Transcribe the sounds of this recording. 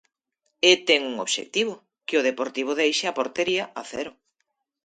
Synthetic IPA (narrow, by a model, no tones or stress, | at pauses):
et̪ɛŋuŋo̰βʃḛk̚t̪iβ̞ʊ | kɪoð̞epoɾt̪iβ̞ʊðejʃɪapoɾt̪eɾiɐaθɛɾʊ